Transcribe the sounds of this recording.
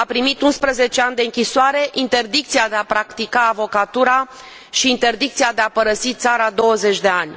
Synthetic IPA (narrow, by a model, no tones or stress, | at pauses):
apɾimit̪unspɾəze̞t͡ʃe̞anʲd̪e̞ɨŋkʲisoaɾe̞ʔint̪e̞rd̪ik̚t̪siad̪eapɾakt̪ikaːvo̞kat̪uɾa | ʃiːnt̪e̞rd̪ik̚t̪siad̪e̞apəɾəsit̪saɾad̪o̞wəze̞t͡ʃʲd̪e̞anʲ